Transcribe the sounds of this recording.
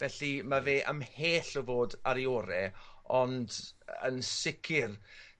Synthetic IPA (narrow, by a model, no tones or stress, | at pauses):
vɛɬimaveːʔə̰mheːɬɔvoːdaɾiɔɾɛɔndə̰nsɪkʰɪr